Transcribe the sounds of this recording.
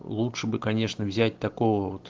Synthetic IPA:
lˠutʂɨbɨkɐnʲeʂnəvzʲæt̚ʲt̪ɐkovəot̪

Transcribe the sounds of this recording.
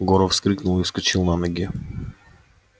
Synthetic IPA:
ɡɔɾɔfskɾiknulˠiskut͡ʃilˠnanɛɡʲɛ

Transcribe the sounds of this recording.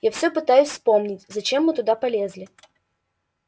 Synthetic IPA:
jafsʲɵpɨt̪ajʊsʲspo̞mnʲɪtʲzɐt͡ɕemːɨt̪ʊd̪apɐlʲezʲlʲɪ

